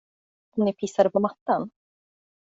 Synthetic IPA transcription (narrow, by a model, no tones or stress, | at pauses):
ɔmnɪpʰɪsːad̪əpɔmat̪ːan